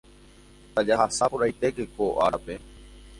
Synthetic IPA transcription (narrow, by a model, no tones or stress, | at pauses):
t̪ad͡ʒaɦasapoɾajt̪e̞kekoʔa̰ɾape̞